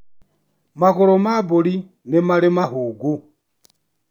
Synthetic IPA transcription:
maɣɔɾɔmaboli | nɛmalemaɦuːɡu

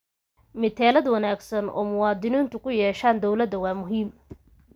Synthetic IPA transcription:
mɪt̪ʰɛːlɐd̪wɑnaːɡsɐnɔ̰ːmʊwɑːd̪ɪniːnt̪ʰʊkʰʊjɛːʃaːnd̪ɔwlɐd̪ɐwɑːmʊɦiːm

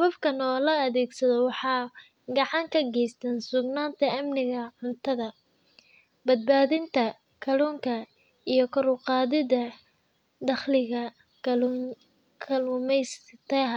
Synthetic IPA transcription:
sβɐfkʰɐnɔːlɐɐðɛːɡsɐðɐwɑħɑː | ɡɑʕɑŋkʰɐɡɛjst̪ʰɐnsʊɡnaːnt̪ʰɐɐmnɪɣɐʕʊnt̪ʰɐðɐ | bɐd̪̚baːðɪnt̪ʰɐ | kʰɐluːŋkʰɐ | ijɞkʰɐɾʊqɑːðɪðɐ | d̪ɑχlɪɣɐ | kʰɐlʊmɛjst̪ʰɛɦ

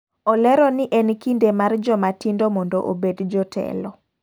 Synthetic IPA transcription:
ɔlɛɾɔnɪʔɛnkindemard͡ʒɔmatindomɔndɔʔobedd͡ʒɔtʰɛ̰lɔ

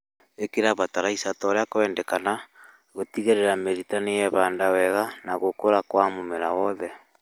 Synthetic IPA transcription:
ekeɾaβataɾaisatɔɾeakoɛndɛkana | ɣotiɣeɾeɾameɾitanejɛβaːndawɛɣanaɣokoɾakwamomeɾawɔðɛ

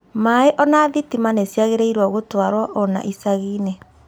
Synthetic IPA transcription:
maeʔɔnaːðitimanesjaɣeɾeiɾwɔɣotwaɾwaʔɔna̰ʔisaɣiːne

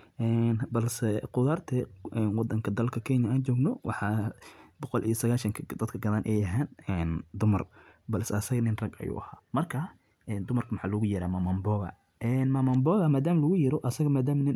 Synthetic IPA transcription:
ʔɛːnbɐlsɛqʊðart̪ʰɛɛnwɑd̪ɐŋkʰɐd̪ɐlkʰɐkʰɛnjɐaːnt͡ʃɔːɡnɔwɑ̰ħɑbɔqɔlʔḭjɔsɐɣaːʃɐŋkʰɐd̪ɐd̪kʰɐɡɐðaːnʔɛːjɐɦaːnɛnd̪ʊmɐ̰rbɐlsɛɐsɐɣɐnɪnrɐɡɐ̰jṵʔɐha̰ːmɐrkʰɐ | ʔɛːnd̪ʊmɐrkʰɐmɐħɑːlʊɣʊjɐɾaːmamɐmbɔːɣɐ̰ | ʔɛnmɐmɐmbɔːɣɐmaːd̪aːmlɐɣʊjɛɾɔʔɐsɐɣɐmaːd̪aːmnɪn

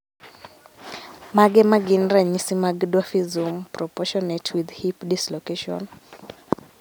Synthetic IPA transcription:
maɡɛmaɡinɾaɲisimaɡdɔfizumpɾɔpɔʃɔnetʰwiðhipdislɔkeʃɔ̰n

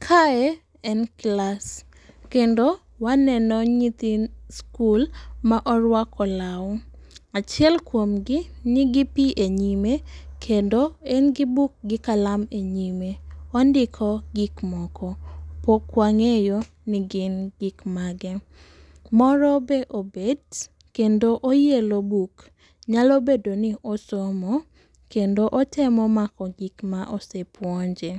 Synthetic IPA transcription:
kʰae | ɛnklas | kendo | wanɛnɔɲit̪inskulmaʔɔɾwakɔlawɔat͡ʃjɛlkwomɡɪnɪɡipiʔeɲimekʰendoenɡɪbuk̚ɡɪkalameɲimeɔndɪkʰɔɡikmɔkɔpokːwaŋejo | nɪɡɪnɡɪkmaɡɛ | mɔɾɔbeʔobed | kendoʔojelobuk | ɲalobedonɪʔosomɔ | kendoʔotʰɛmɔmakɔɡikmaʔosepwɔɲd͡ʒe

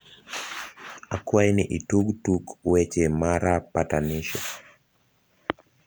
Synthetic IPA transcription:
akwainiʔituɡtukwɛt͡ʃɛmaɾapataniʃɔ̰

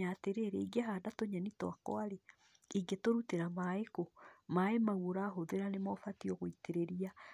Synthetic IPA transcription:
ateɾeɾeiɡeɦaːdatoɲanitwakɔ̰aɾe | iɡetoɾuteɾamaekomaemaɣuɾaɦoðeɾanemɔfatiɔɣoiteɾeɾia

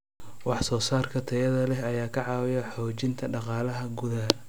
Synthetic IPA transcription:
wɑħsɔːsaːrkʰɐt̪ʰɐjɐðɐlɛɦɐjaːkʰɐʕɑːwɪjɐħɔːt͡ʃɪnt̪ʰɐɖɑqɑːlɐɦɐɡʊða

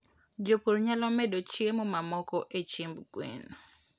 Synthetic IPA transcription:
d͡ʒopoɾɲalɔmɛdot͡ʃjemɔmamɔkɔʔet͡ʃimbɡwḛn

